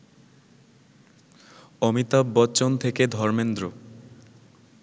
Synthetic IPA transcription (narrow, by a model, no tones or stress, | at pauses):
ɔmit̪abːɔtːt͡ɕont̪ʰeked̪ʱɔɾmend̪ɾo